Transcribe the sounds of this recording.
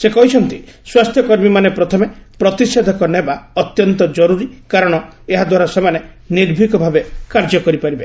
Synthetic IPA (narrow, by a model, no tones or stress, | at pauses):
sekɔɦit͡ʃʰɔnt̪iswast̪ʰjɔkɔɾmimanepɾɔt̪ʰɔmepɾɔt̪ised̪ʱɔkɔnebaɔt̪jɔnt̪ɔd͡ʒɔɾuɾikaɾɔɽ̃ɔeɦad̪waɾasemane | niɾbʱikɔbʱabekaɾd͡ʒɔkɔɾipaɾibe